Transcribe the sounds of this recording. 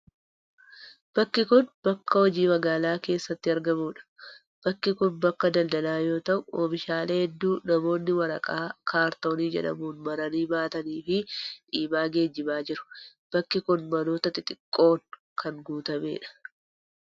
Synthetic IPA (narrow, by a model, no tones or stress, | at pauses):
b̥ɐkːɪkʊnb̥ɐkːɐhɔd͡ʒiːmɐɡaːlaːke̞ːsːɐt̪ːɪɐɾɡɐmuːᶑɐ̥ | b̥ɐkːɪkʊnbɐkːɐd̪ɐld̪ɐlaːjo̞ːt̪ɐʔʊoːbɪʃaːleːhɛd̪ːuːnɐmo̞ːnːɪwɐɾɐkʼaːkʰaːɾt̪o̞ːniːd͡ʒɛ̰ᶑɐ̰muːnmɐɾɐniːbaːt̪ɐniːfɪᶑiːmaːɡe̞ːd͡ʒːɪbaːd͡ʒɪɾʊ̥b̥ɐkːɪkʊnmɐno̞ːt̪ɐt̪ɪt̪ʼɪkʼːo̞ːn | kʰɐnɡuːt̪ɐme̞̰ːᶑɐ̥